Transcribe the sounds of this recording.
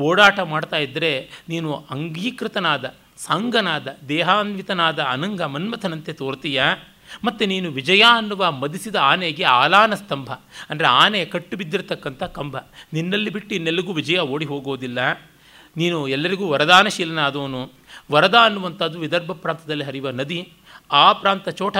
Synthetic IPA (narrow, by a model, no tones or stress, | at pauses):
oːɽaːʈɐmaːɽt̪aːjid̪ːɐɾe̞niːnuɐŋɡiːkɾɪt̪ɐnaːd̪ɐ | saːŋɡɐnaːd̪ɐd̪ɛːɦaːnʋit̪ɐnaːd̪ɐːnɐŋɡɐmɐnmɐt̪ʰɐnɐnt̪et̪oːɾt̪ijɐ | mɐt̪ːuniːnuʋid͡ʒɐjaːɐnːuʋɐmɐd̪isid̪ɐaːneɡe̞aːlaːnɐst̪ɐmbʱɐɐndɐɾeaːnekɐʈːubid̪ːiɾt̪ɐkːɐnt̪ʰɐkɐmbʱɐninːɐlːibiʈːuinːelːuɡuːʋid͡ʒɐjɐoːɽiɦoːɡoːd̪ilːɐ | niːnuɛlːɐɾiɡuːʋɐɾɐd̪aːnɐʃiːlɐnaːd̪ɐːɐnu | ʋɐɾɐd̪aːɐnːuʋɐnt̪ɐd̪uʋid̪ɐɾbʱɐpɾaːnt̪ɐd̪ɐlːiɦɐɾiʋɐnɐd̪i | aːpɾaːnt̪ɐt͡ʃɔːʈʰɐ